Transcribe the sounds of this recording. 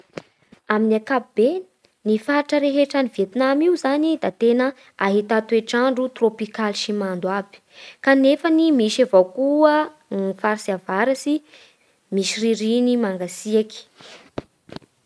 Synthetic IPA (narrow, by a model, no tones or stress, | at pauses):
aminiakapib̥en | nifaʈ͡ʂəɾeɦeʈ͡ʂanivet̪inamiuzanid̪at̪enə | aɦit̪at̪ueʈ͡ʂaɳɖ͡ʐut̪ropikalʃimand̪wabi̥kanefənimiʃavawkuə | faɾsiavaɾasi | miʃiriɾinimaŋɡasiaki̥